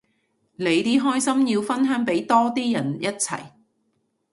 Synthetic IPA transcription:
le˨˧jt̪iː˥ɦɔː˥jsɐ˥mjiː˧wfɐ˥nɦœː˨˥ŋpe˨˥jt̪ɔː˥t̪iː˥jɐ˨˩njʔɐ˥t̚t͡sʰɐ̰˨˩j

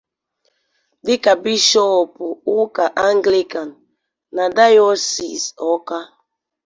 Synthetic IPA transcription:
di˦ka˨bi˦ʃɔ˦ɔ˨pu˨u˦ka˨ʔa˦ŋɡli˦ka˨nː | a˨da˦jɔ˦si˨sɔ˨˦ka˦

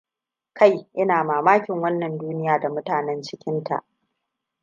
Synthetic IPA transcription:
ka˦jʔɪ˦naː˨maː˨maː˦kʲɪ˨ŋwɐ˦nːɐ˨nduː˦nɪ˦jaː˨da˨mʊ˦taː˨nɛ˦nt͡ʃɪ˦kʲɪ˦nta̰˨ʔ

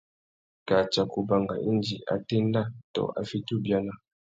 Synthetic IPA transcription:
ka˨t͡ʃa˨ku˨ba˨ŋɡa̰˨ʔi˦nd͡ʒi˨ʔa̰˨tɛ˦nda˦to̰˨ʔa̰˨fi˦tu˦bja˦na˦

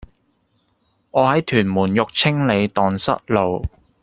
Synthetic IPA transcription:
ŋɔː˨˧hɐ˨˥jt̪ʰyː˨˩nmuː˨˩njʊ˨k̚t͡sʰɪ˥ŋle˨˧jt̪ɔː˨nsɐ̰˥t̚lo˨˧w

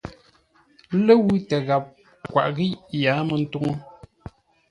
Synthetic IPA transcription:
lə˦wu˦tə˨ɣa˨p̚ | kwa̰˨ʔɣi˦jaː˨˦mə˨n̩˦tu˦ŋo˦

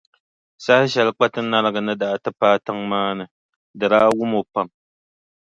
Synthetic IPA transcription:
sa˦ha˦ʃɛ˨lɨ˦k͡pa˦tɨ˦na˦lɨ˦ɡɨ˨nɨ˦da˨tɨ˦paː˦tɨ˦ŋmaː˦nɨ˨ | dɨ˨ɾaː˦wʊ˦mo˨pa˨m

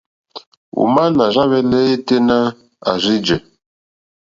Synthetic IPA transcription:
ṵ˨ma˦na˨ɾa˦βɛ˦lɛ˦e˦te˦na˦ | a̰˨zi˦d͡ʒɛ˨

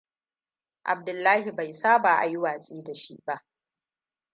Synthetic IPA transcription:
ʔa̰˨b̚dʊ˨lːaː˦hi˨ba˨jsaː˦baː˨ʔa̰˨ji˦waː˨sʼiː˦da˨ʃḭ˦ba˦ʔ

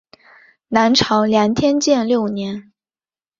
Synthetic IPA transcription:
na˧˥nʈ͡ʂʰɑ˧˥ʊljɑ˧˥ŋt̪ʰjɛ˥nt͡ɕjɛ˥˧nljo˥˩ʊnjɛ˧˥n

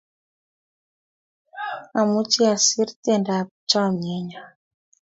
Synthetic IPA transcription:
a˨mu˦t͡ʃi˦a˨si˦ɾitɛ˦nda˨pt͡ʃa˦˨ɲɛ˦ɲa˨

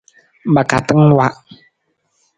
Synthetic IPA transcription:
ba˨ka˨t̪ə˦ŋn˨wa˨ʔ

